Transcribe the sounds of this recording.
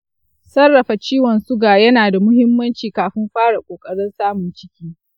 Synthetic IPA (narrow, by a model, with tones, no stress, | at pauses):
sɐ˦rːɐ˨ɸa˨t͡ʃiː˦wɔ˨nsʊ˦ɡaː˨jɐ˦naː˨da˨mʊ˦hɪ˦mːɐ˦nt͡ʃiː˨kaː˨ɸɪ˦mɸaː˦ɽa˨kʷʼoː˨kʼɐ˦ɽɪ˦nsaː˦mʊ˨nt͡ʃɪ˦kʲiː˦